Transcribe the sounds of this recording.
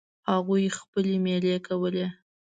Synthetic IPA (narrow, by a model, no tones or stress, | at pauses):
haɣujxpəlemelekawəle